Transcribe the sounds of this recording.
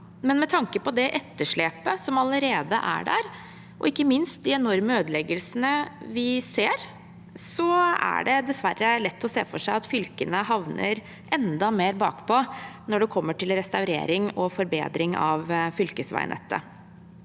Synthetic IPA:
mɛnmɛt̪ʰɑŋkəpɔd̪ɛʔɛt̪ːəʂɭeːpəsɔmɑləɾeːd̪əʔæ̰ɖæ̰ɾ | ʔɔ̰ɪkːəmɪnst̪̚d̪ɪɛnɔɾməøːd̪lɛɡəlsənəʋɪseːɾ | sɔæ̰ɖɛd̪ɛsʋæɾːəlɛt̪ʰːɔsḛːfɔʂæɪɑt̪fʏlkənəɦɑʋnə̰ɾ | ʔɛnd̪ɑmeːɾbɑ̰ːkpʰɔnɔɖɛkʰɔmːəʈʰɪlɾɛst̪ɑʉɾḛːɾɪŋɔfɔɾbḛːd̪ɾɪŋɑʋfʏlkəsʋæ̰ɪnʔə̰t̪ːə̰

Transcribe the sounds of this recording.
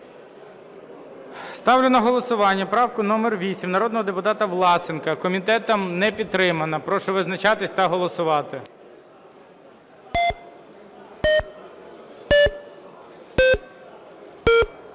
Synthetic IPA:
st̪ɑwlʲenɐɦɔlˠɔsʊʋɑnʲːɐpɾɑwkʊnɔmɛrʋʲisʲimnɐɾɔd̪nɔɦɔd̪epʊt̪ɑt̪ɐʋlˠɑsɪnkɐkɔmʲit̪ɛt̪ɐmnɛpʲid̪t̪ːɾɪmɐnɐpɾɔʃɛʋɪznɐt͡ʃɑt̪ɪsʲt̪ɐɦɔlˠɔsʊʋɑt̪ɪ

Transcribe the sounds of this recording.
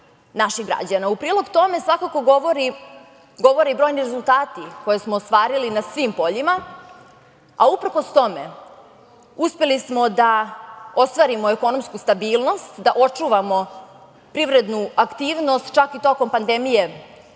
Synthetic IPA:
naʃiɣɡɾa̰d͡ʑanaupɾiːlˠo̞ɡt̪o̞me̞sʋakako̞ɡoʋoɾi | ɡo̞ʋo̞ɾibɾo̞jniɾezulˠt̪aːt̪iko̞je̞smoːst̪ʋaːɾilinasʋimpo̞ʎima | aupɾ̩ko̞st̪o̞me̞ | uspe̞lismo̞d̪aost̪ʋaːɾimo̞eko̞no̞mskust̪abiːlˠno̞st̪d̪aʔo̞t͡ʂuːʋamo̞ | pɾiʋɾe̞d̪nuakt̪iːʋno̞st̪t͡ʃakit̪o̞ko̞mpand̪e̞mije̞

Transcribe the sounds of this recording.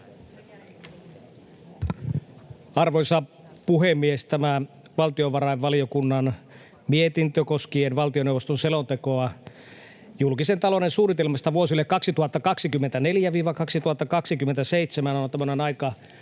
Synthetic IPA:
ɑrʋojsɑ | puɦemːiest̪æmæ | ʋɑlt̪ioʋɑɾɑjʋʋɑlijo̞kunːɑn | miet̪int̪økoskienʋɑlt̪ionewʋost̪onselont̪ekoɑ | julkisent̪ɑlo̞nensuːnit̪elmɑst̪ɑʋuosilːekːɑksit̪uhɑt̪ːɑkɑksikymːent̪æne̞ljæʋiːʋɑkɑksit̪uhɑt̪ːɑkɑksikyment̪æsejt̪semænont̪æmønenɑjkɑ

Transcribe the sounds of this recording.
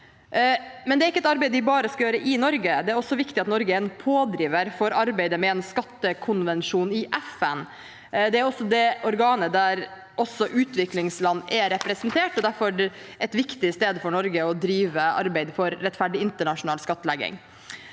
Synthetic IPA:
mɛnd̪ɛæɾɪkːəɛt̪ɑɾbɛɪd̪ɪbɑːɾəskɑjøːɾəʔɪnɔɾɡəd̪ɛæɾɔsːɔʋɪkt̪ɪɑt̪nɔɾɡəɛnpʰoːd̪ɾiːʋəɾfɔɾɑɾbæɪd̪əmɛɛnskɑt̪ːəkʰʊnʋɛnʂuːnɪʔɛfɛn | d̪ɛæɾɔsːɔd̪ɛɔɾɡɑːnəd̪æɾ | ʔɔsːɔʔʉːt̪ʋɪklɪŋslɑnːɛɾɛpɾɛsɛnt̪ʰeːʈɔd̪æɾfɔɾɖɛt̪ʋɪkt̪ɪst̪eːd̪fɔɳɔɾɡəɔd̪ɾiːʋəɑ̰ɾbæɪd̪fɔɾːɛt̪ːfæɖɪɪnt̪əɳɑʂʊnɑːlskɑt̪ːəlɛɡɪ̰ŋ

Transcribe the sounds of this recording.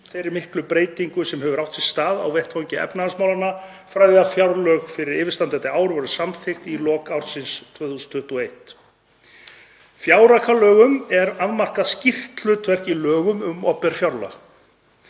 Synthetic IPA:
θejɾɪɾmɪhklʏpɾeːjt̪iŋkʏsɛmhɛvʏɾawht̪sɪ̥st̪aːða̰wvɛr̥t̪fɔɲcɪɛ̰pnaasmawlanːa | fɾajðɪafjawɾlœɣfɪɾɪɾɪːvɪ̥st̪ant̪ɛt̪ɪaːwɾʏvɔɾʏsamθɪxt̪ilɔːkawɾsɪnst̪ʰvœːθusʏnt̪ʰʏht̪uɔejt̪ | fjaːwɾakʰalœːɣʏmɛɾaðmar̥kascir̥t̪lʏt̪ʰvɛr̥cilœːɣʏmʏmɔ̰pɛɾ̥fjawɾla̰x

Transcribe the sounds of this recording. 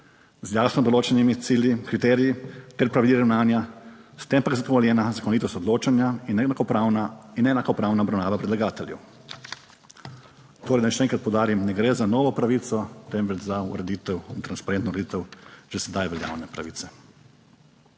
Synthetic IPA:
zjaːsnɔd̪ɔloːt͡ʃɛnimit̪siːljikɾit̪ɛːɾijit̪ɛɾpɾaʋilʲiɾawnaːnjast̪empaɡzaɡoʋɔljɛːnazakonit̪ɔst̪ɔd̪loːt͡ʃanjainnakɔpanainɛnakɔpɾaːwnaɔbɾawnaːʋapɾɛd̪laɡaːt̪ɛljɛ̰w | t̪oːɾɛjd̪anɛʃeɛɛːŋkɾat̪pɔwd̪aːɾimnɛɡɾezanɔːʋɔpɾaʋit̪sɔt̪ɛmʋɛd͡ʒzaṵɾɛd̪it̪ɛwint̪ɾanspaɾẽnt̪nouɾed̪it̪ɛwʒ̥esɛd̪ajʋɛlja̰wnɛpɾa̰ʋit̪sɛ

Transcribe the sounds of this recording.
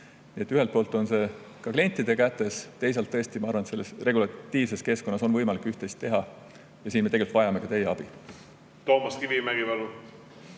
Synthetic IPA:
niet̪ːyɦelt̪̚po̞ːlt̪ːˑo̞nse̞ | kɑklenʲt̪ˑːid̪e̞kæt̪ːˑe̞st̪e̞js̬elt̪ːɤest̪imɑɑɾrvɑnet̪selːesre̞ɡulɑt̪ːiːvse̞ske̞sko̞nːɑso̞nvɤjmɑlikːˑyht̪ejst̪ːe̞ɦɑ | jɑsiːnmeeɡylt̪vɑjɑme̞kɑt̪e̞jeɑb̥i | t̪oːmɑskivimæɡivɑlu

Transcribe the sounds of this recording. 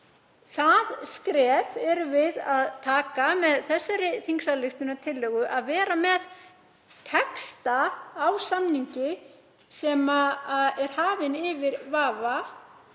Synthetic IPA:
θaðskɾɛːvɛɾvɪðaðt̪ʰaːkamɛðθɛsːaɾɪθiŋksalɪxt̪ʏnat̪ʰɪlːœɣʏʔaðvɛːɾamɛð | t̪ʰɛkst̪aːwsamniɲcɪ | sɛmaɛɾ̥haːvɪnɪvɪɾvaːva

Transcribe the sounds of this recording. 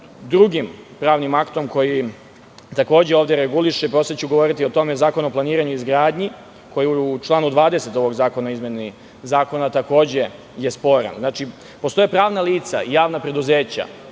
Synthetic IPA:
d̪ɾuɡimpɾaːʋnimakt̪o̞mko̞ji | t̪ako̞ːd͡ʑeoːʋd̪e̞ɾeɡuliʃeipɾo̞set͡ɕuɡo̞ʋo̞ɾit̪io̞t̪o̞mezaːko̞no̞plˠaniːɾaɲuizɡɾaːd̪ɲi | kʰo̞jiut͡ʃlˠaːnud̪ʋaːd̪e̞se̞t̪o̞ʋo̞ɡzaːko̞naizmje̞ni | zaːko̞nat̪ako̞ːd͡ʑe̞ | je̞spo̞ɾa̰nznaːt͡ʃi | po̞st̪o̞jepɾaːʋnaliːt̪sa̰ijaːʋnapɾe̞d̪uze̞ːt͡ɕa̰

